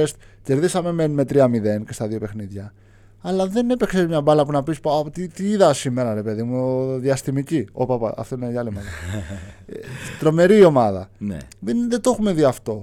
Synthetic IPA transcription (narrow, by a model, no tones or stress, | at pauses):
est̪ce̞ɾðisɐme̞menume̞t̪ɾiɐmiðe̞nce̞st̪ɐðio̞pe̞xniðʝɐ | ɐlɐðe̞ne̞peksezmɲɐbɐlɐpunɐpispɐpot̪it̪iiðɐsime̞ɾɐɾe̞pe̞ðimuðiɐst̪imiciopɐpɐ̰ʔɐ̰ft̪oineiɐlimɐlɐ | t̪ɾo̞me̞ɾio̞mɐðɐnḛðenðet̪oxume̞ðiɐft̪o̞